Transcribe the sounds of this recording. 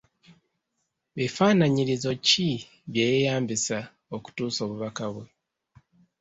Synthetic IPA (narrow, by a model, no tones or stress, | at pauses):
βifaːnaɲiɾizo̞ci | βjeːjejaːmbisa | o̞ku̥tuːso̞ːβuβakaβwe